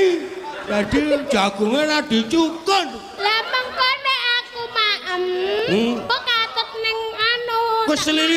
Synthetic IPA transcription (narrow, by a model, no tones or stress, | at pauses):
t̪aɖ̪̥i̥d͡ʒʒ̥a̤ɡ̥uŋenaɖ̥i̤t͡ʃukən | laməŋkoneakumaʔəm | pəkat̪ət̪̚nɪŋanokəsəli